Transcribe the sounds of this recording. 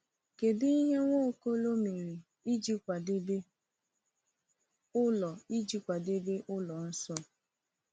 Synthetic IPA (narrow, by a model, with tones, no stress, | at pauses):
ke˨di˦i˦ɦe˦ŋʷo˦˨ko˦lo˦me˨ɾi˨ | i˦d͡ʒi˦kʷa˨de˦be˦ | ʊ˦lɔ˨i˦d͡ʒi˦kʷa˨de˦be˦ʔʊ˦lɔ˨n̩˦sɔ˦˨